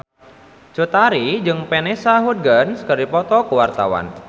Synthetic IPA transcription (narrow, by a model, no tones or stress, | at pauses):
t͡ʃut̪aɾid͡ʒɨŋpɛnɛsaɦud̪̚ɡənskərdipɔt̪ɔkəwart̪a̰wa̰n